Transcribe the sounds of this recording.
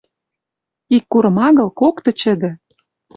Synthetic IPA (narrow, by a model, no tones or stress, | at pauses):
ikːuɾɤ̆mɑɣɤ̆lkokt̪ɤ̆t͡ɕə̆d̪ɘ̆